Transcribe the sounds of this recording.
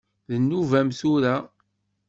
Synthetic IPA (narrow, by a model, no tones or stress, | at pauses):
ðənːuvæmθuɾæ